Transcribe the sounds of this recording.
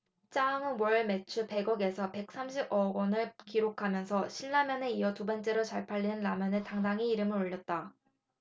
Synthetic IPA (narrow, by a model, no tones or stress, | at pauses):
t͡ɕ͈aŋɯmwʌɭme̞t͡ɕʰupe̞ɡʌɡe̞sʰʌpe̞k̚s͈amɕʰibʌɡʌnɯɭkiɾokʰamjʌnsʰʌɕʰiɭːamjʌne̞iʌtubʌnt͡ɕ͈e̞ɾot͡ɕaɭpʰaʎːinɯnːamjʌnɯtaŋdaŋɦiiɾɯmɯɾoʎːʌt̚t͈a